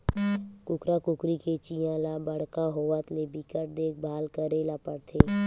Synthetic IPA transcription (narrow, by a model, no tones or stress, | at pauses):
kʊkɾakʊkɾiket͡ʃijãlabəɽ̤kaɦoːʋət̪lebikəʈ̚d̪eːk̚ʰbʱaːlkəɾeːlapəɾt̪ʰeː